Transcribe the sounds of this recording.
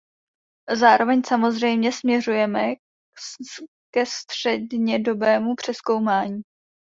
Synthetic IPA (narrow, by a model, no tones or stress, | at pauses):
zaːɾo̞vɛɲsamo̞zrɛjmɲɛsmɲɛrujɛmɛ | kɛst̪r̥ɛdɲɛdo̞bɛːmupr̝̥ɛsko̞wmaːɲiː